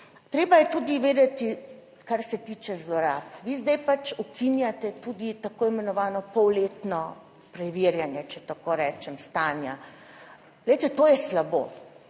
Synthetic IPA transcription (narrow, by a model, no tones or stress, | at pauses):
t̪ɾeːbajɛt̪ud̪iʋeːd̪ɛt̪i | kaɾsɛt̪iːt͡ʃɛzlɔɾa̰ːpʋizd̪ɛjpat͡ʃukʰinjat̪ɛt̪ud̪it̪akoːimɛnɔʋaːnɔpɔwleːt̪nɔ | pɾɛʋiːɾjanjɛt͡ʃɛt̪akoːɾɛːt͡ʃɛmst̪aːnja | lɛjt̪ɛt̪oːjɛslabo̰ː